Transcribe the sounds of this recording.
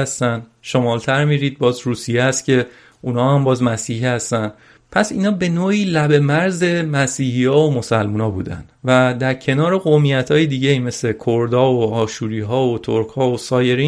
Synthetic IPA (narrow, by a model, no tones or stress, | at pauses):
æst̪ænd̪ʃo̞mɒːlt̪ʰæɾmiːɾiːd̪̚bɒːzɾuːsijeæst̪̚cʰe̞ | unhɒːhæmbɒːzmæsiːhihæst̪æn | pʰæsḭːnɒːbe̞noːiːlæbe̞mæɾze̞mæsiːhijɒːomo̞sælmuːnɒːbṵːd̪æ̰nd̪̥væd̪æɾcʰe̞nɒːɾe̞ɣomijæt̪ʰɒːjed̪iːɟe̞ime̞sle̞kʰoɾd̪ɒːoɒːʃuːɾiːɦɒːot̪ʰoɾkʰhɒːosɒːje̞ɾiː